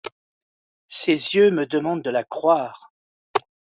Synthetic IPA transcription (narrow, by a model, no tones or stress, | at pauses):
sezjøməd̪əmɑ̃d̪̚d̪əlakχwaːʁ